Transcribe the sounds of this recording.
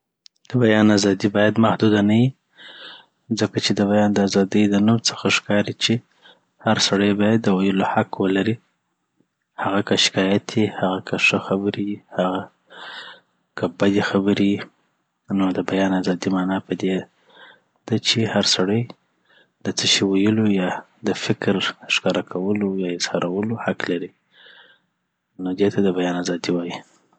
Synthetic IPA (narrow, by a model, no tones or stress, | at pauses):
d̪̥əbajɑnazɑd̪ibɑjad̪mahd̪ud̪anaji | zəkat͡ʃed̪əbajɑnd̪əazɑd̪əjd̪ənumt͡sə̥xaʂkɑɾit͡ʃe | haɾsaɽəjbɑjad̪ːəwajəlohaqwəlaɾi | haɣakəʃɪ̥kɑjat̪ʰjihaɣakʰəʂəxabəɾihaɣa | kʰəbad̪exabəɾi | nod̪əbajɑnazɑd̪imɑnɑpəd̪e | d̪̥at͡ʃehaɾsaɽəj | d̪ət͡səʃiwajəlojɑ | d̪əfɪkɾʂkɑɾakʰawəlojɑɪz̥hɑɾʔawəlohaklaɾi | nod̪et̪ʰad̪əbajɑnazɑd̪iwɑji